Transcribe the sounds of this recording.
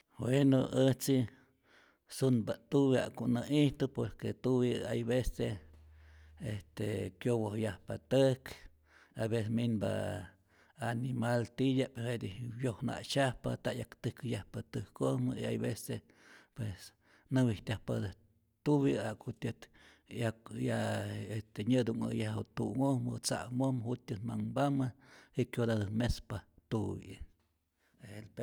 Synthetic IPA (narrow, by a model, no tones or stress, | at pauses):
bwenoʔət͡si | sunbat̪uβia̰ʔkunaiht̪upoɾket̪uβiajbese | est̪ekjowohjahpat̪ək | aβeseminba̰ | animalt̪ijapehed̪ibjohna̰ʔt͡ʃahpa̰t̪aʔjakt̪ɨkjahpat̪ɨhkomə̰ia̰jβese | pwes | nɨwit̪ʲahpad̪ɨh | t̪uβiakut̪ʲɨt̪ | akjaest̪eɲɨd̪uŋa̰jaht̪uŋohmɨt͡sa̰mohmhut̪ʲɨt̪maŋbamɨhiʔkjod̪ad̪ɨmespat̪ubḭʔ | ehelpe